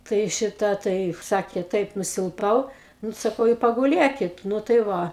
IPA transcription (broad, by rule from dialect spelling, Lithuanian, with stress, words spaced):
ˈtɐɪ ˈʃʲɪtɐ ˈtɐɪ ˈsɑːkʲeː ˈtɐɪp nʊsʲɪlˠˈpɐʊ ˈnʊ sɐˈkɐʊ ɪ pɐɡʊˈlʲeːkʲɪt ˈnʊ tɐɪ ˈʋɐ